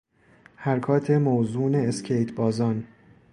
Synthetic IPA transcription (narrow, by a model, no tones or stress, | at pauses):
hæɾkʰɒːt̪ʰe̞mozuːneːscʰejt̪ʰbɒːzɒn